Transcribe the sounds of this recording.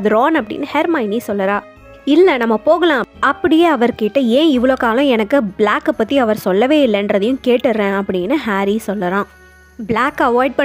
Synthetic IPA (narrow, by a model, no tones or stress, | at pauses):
ðɯɾoːnɐpːɐɽɪ̰nːɯhɛɾmɐɪnisɔlːɐɾãː | ɪlːɐnɐmːɐpoːɣɐlãːɐpːɐɽɪjeːɐʋɐɾkeːʈːɯẽːɪʋɐɭoːkaːlʊ̃ɛnɐkːɯbɭaːkːɯpːɐt̪ːiɐʋɐɾsɔlːɐʋeːɪlːɛndɾɐðɐjʊ̃keːʈːɯɾːẽːɐpːɐɽɪnːɯɦaːɾisɔlːɐɾãː | bɭaːkːɐʋaːɪɖ̚pɐ